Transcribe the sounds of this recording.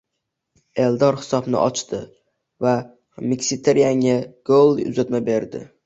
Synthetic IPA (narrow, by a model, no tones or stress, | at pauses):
e̞ld̪ɒɾhɪ̥sɒbnɪ̰ʔɒt͡ʃt̪ʰɪ | va | mɪkʲsit̪ʰeɾijaŋaɡ̥olˠʊ̰zat̪mabe̞ɾd̪ɪ̰